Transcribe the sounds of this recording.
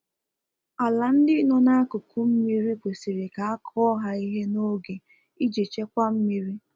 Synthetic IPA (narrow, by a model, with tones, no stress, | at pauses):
a˨la˨n̩˦dɪ˦nɔ˦na˦a˦kʊ˨ku˦m̩˦mi˦ɾi˦kʷe˨si˨ɾe˨ka˨a˦kʰɔ˦ɦa˦i˦ɦe˦no˦ɡe˨ | i˦d͡ʒe˨t͡ʃe˦kʷa˦m̩˦mi˦ɾi˦